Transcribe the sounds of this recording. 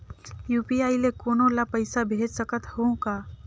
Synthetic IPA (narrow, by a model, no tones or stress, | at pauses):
juːpiaːilekoːnõlapəɪsabʱeːd͡ʒsəkət̪hokaː